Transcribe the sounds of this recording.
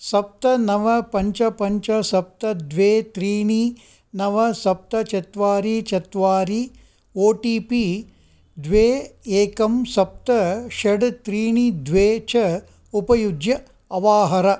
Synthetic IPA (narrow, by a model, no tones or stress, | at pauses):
sɐp̚t̪ɐnɐʋɐpɐɲt͡ʃɐpɐɲt͡ʃɐsɐp̚t̪ɐd̪ʋeːt̪ɾiːɳi | nɐʋɐsɐp̚t̪ɐt͡ʃɐt̪ʋaːɾit͡ʃɐt̪ʋaːɾi | oːʈiːpi | d̪ʋeːeːkɐmsɐp̚t̪ɐʃɐɖt̪ɾiːɳid̪ʋeːt͡ʃɐ | upɐjud͡ʒjɐ | ɐʋaːɦɐɾɐ